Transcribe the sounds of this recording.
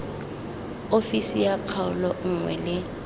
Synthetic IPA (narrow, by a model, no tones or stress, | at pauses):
ofisijaq͡χʰaʊlɔŋ̩ŋwɛ̰lɪ